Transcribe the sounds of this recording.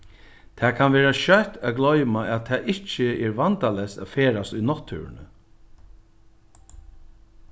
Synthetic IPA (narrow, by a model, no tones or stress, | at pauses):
t̪ʰɛːkʰanʋɛːɾaʃœht̪æɡlɔʏmaʔæt̪ʰɛːʔɪt͡ʃəɛɹʋant̪alɛsa̰feːɾast̪ʊjnɔt̪ʰːʉ̰ːɾɪ̰nə̰